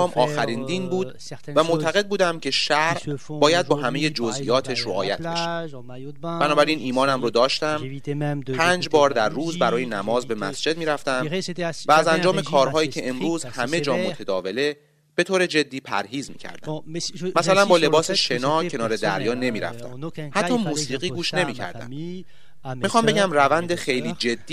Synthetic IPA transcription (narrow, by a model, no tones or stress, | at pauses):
mʔɒːxæɾind̪inbuːd̪ | væmot̪ʰæɣe̞d̪̚buːd̪æmcʰe̞ʃæɾʔbɒːjæd̪̚bɒːɦæme̞je̞d͡ʒozʔijɒːt̪ʰeʃɾoʔɒːjæt̪ʰbeʃæ | b̥ænɒːbæɾiːniːmɒːnæmɾod̪ɒːʃt̪æm | pʰæːnd͡ʒbɒːɾd̪æɾːuːzbæɾɒːjenæmɒːzbe̞mæ̰sd͡ʒe̞d̪̚miːɾæft̪æmvæːzænd͡ʒɒːmekʰɒːɾɦɒːjiːcʰe̞emɾuːzhæme̞d͡ʒɒːmotʰed̪ɒːve̞le̞ | b̥e̞t̪ʰoːɾe̞d͡ʒe̞d̪ːiːpʰæ̰ɾɦiːzmḭːcʰæ̰ɾd̪æ̰mæsælænbɒːle̞bɒːseʃenɒːcʰe̞nɒːɾe̞d̪æ̰ɾjɒːne̞miːɾæ̰ft̪æ̰mhæt̪ʰːɒːmuːsiːɣiːɡuːʃne̞miːcʰæ̰ɾd̪æ̰m | mixɒːmbeɟæmrævænd̪exe̞jliːd͡ʒe̞d̪̥ːiː